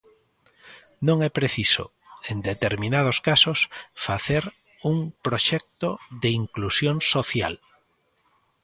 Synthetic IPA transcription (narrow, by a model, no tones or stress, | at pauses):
nõŋɛpɾeθiso̰ | end̪et̪eɾmĩnað̞oskasosfaθeɾ | uŋpɾoʃɛk̚t̪oðeiŋklusjõŋsoθja̰l